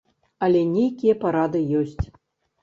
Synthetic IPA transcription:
ɐlʲɛnʲejkʲijɐpaɾad̪ɨjɔsʲt͡sʲ

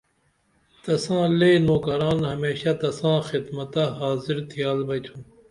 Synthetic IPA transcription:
t̪ɐsãːleːnoːkɐɾaːnhɐmeːɕat̪ɐsãːxɪd̪mɐt̪aɦaːziɾt̪ʰijaːlbɐjt̪ʰũː

